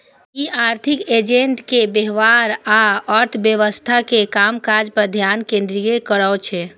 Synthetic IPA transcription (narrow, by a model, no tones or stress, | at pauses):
iʔaɾt̪ʰiked͡ʒẽnt̪kebeɦʋaɾaəɾt̪ʰbjəʋəst̪ʰakekamkaɾd͡ʒpəɾd̪ʱjankẽnd̪ɾiekəɾət͡ʃʰɛ